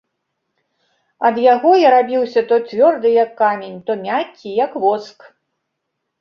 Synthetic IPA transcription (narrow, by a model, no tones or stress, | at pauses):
ɐd̪jaɣɔjaɾabʲiwsʲɐt̪ɔt͡sʲvʲɔrd̪ɨjɐkːamʲenʲt̪ɔmʲakʲːijɐkvɔsk